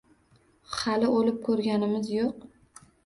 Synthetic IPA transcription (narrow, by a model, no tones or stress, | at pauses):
hɑlɪolɪp̚kʰɵɾɡʲanɪmɪzjoq